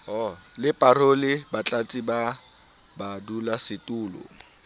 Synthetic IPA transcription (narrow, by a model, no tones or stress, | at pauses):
ɔlɪpʼarolɪbat͡ɬʼat͡sʼiba | badulasɪtʼuːlʊ̰